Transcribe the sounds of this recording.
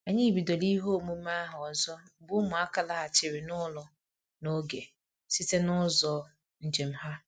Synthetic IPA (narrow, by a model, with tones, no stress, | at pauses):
a˨ɲi˦bi˨do˨li˦ɦo˦˨mu˦m̩˦a˦ɦɔ˨zɔ˦˨bʊ˦mʊ˨a˦ka˨la˦ɦa˨t͡ʃɪ˨ɾɪ˨nʊ˦lɔ˨ | no˦ɡe˨ | si˦te˦nʊ˦zɔ˨ | n̩˨d͡ʒe˨m̩˦ɦa˦